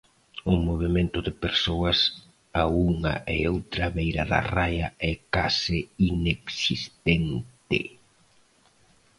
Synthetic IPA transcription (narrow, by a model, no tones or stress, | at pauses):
ʊmoβ̞emẽnt̪ʊðɪpeɾsoɐs | auŋɐ̰ʔeowt̪ɾaβejɾɐ̰ðɐ̰rajɐɛkasɪineksist̪ent̪ɪ̰